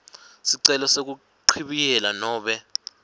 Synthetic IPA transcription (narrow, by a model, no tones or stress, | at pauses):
siǀɛlɔsek̬u | ǃʰiɓijɛlanɔːɓɛ